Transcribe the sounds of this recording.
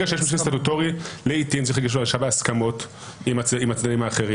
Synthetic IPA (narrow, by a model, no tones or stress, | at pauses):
aʃejemaʃust̪at̪utoʁileitintt͡siχlaɡiʃ̬uaʃabeaskamo̞t | imat͡simat͡snadimaːχe̞ʁi